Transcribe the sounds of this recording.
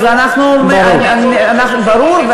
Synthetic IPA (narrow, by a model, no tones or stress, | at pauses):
zanaχnume | anaχbaɾuɾve